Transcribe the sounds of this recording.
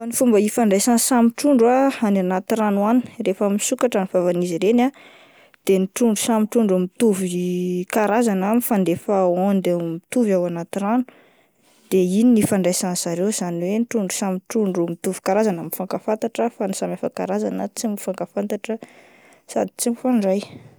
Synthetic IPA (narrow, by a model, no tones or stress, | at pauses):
anifumbəifaɳɖ͡ʐajsãnsamiʈ͡ʂuɳɖ͡ʐaananat̪iɾanwanii̥refamisukaʈ͡ʂanivavaniziɾena | d̪̥eniʈ͡ʂuɳɖ͡ʐusamiʈ͡ʂuɳɖ͡ʐumit̪uvikaɾazanamifand̪efaond̪ewmit̪uvawanat̪iɾanu̥ | d̪̥eininifaɳɖ͡ʐajsãnsaɾewz̥aniwenʈ͡ʂuɳɖ͡ʐusamiʈ͡ʂuɳɖ͡ʐumit̪uvi̥kaɾazanamfaŋkafant̪aʈ͡ʂəfanisamafaka̰ɾazanət͡simifaŋkafant̪aʈ͡ʂə | sa̰d̪i̥t͡simifaɳɖ͡ʐaj